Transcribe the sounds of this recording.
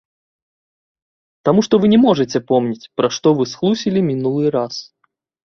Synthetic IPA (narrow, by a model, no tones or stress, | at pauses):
t̪amuʂt̪ɔvɨnʲɛmɔʐɨt͡sʲɛpɔmnʲit͡sʲpɾaʂt̪ɔvɨsxlˠusʲilʲimʲinulˠɨɾas